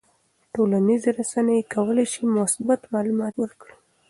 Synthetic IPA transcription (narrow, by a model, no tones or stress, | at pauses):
ʈolanizeɾasanəjekʰawəlajʃimʊsbat̪mɑlumɑt̪wəɾkɽi